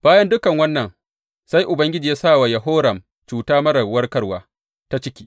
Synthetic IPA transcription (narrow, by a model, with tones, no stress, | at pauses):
b̥aː˦jɐ˦ndʊ˦kɐ˨ŋwɐ˦nːɐ˨ŋ | sa˦jʔʊ˨bɐ˦ŋɡʲɪ˦d͡ʒiː˨ja˦saː˦˨waː˨jɐ˨ɦoː˦ɾɐ˨m | t͡ʃuː˨taː˦mɐ˦ɾɐ˨wɐ˦rkɐ˦rwaː˦ | ta˦t͡ʃɪ˦kʲiː˦